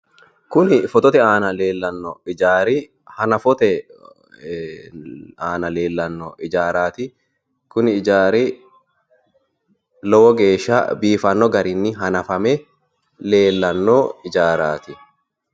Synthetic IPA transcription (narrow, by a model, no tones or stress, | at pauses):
kʊnɪfɔt̪ɔt̪ɛaːnɐleːlːɐnːɔɪd͡ʒaːɾi | hɐnɐfɔt̪ɛ | aːnɐle̞ːlːɐnːɔʔɪd͡ʒaːɾaːt̪ɪ | kʊnɪɪd͡ʒaːɾiː | lɔwɔɡe̞ːʃːa̰ːbiːfɐnːɔɡɐɾɪnːɪɦɐnɐfɐmɛ | le̞ːlːɐnːoːɪd͡ʒaːɾaːt̪ɪ